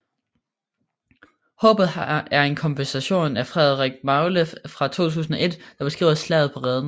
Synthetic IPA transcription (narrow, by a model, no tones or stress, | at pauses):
hɔ̽ːb̥ð̩ˠhɑæɐe̝nkʰɒ̽mpʰensæɕo̝̰ːnæfʁɛð̰ˠʁeɡ̥mɑ̈ʊləfʁɑ̈t͡sʰo̝̰ːt͡sʰṵːsn̩ɒ̽ʔe̝d̥d̥ɑ̈b̥e̝sɡ̥ʁḭːʊslɛ̰ːð̞̩ˠpʰɒ̽ʁɛːð̞ˠən̩